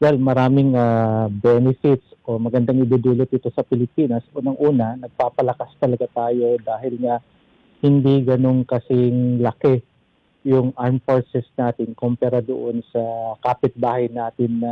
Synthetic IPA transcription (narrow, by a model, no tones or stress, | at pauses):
wɛlmɐɾaːmɪŋabɛnɛfɪt̪sʔo̞mɐɡɐnd̪aŋɪd̪uːd̪uːlot̪̚ɪt̪o̞sɐpɪlɪpiːnɐsʔuːnɐŋʔuːnɐnɐɡ̚paːpɐlɐkast̪ɐlɐɡat̪aːjo̞d̪aːɦɪlŋɐ | hɪnd̪iɡɐno̞ŋkɐsɪŋlɐkɛ | jʊŋʔaɹmfoɹsɛsnaːt̪ɪnkompɛɾad̪oʔo̞nsɐkaːpɪt̪̚baːhɐjnaːt̪ɪnːɐ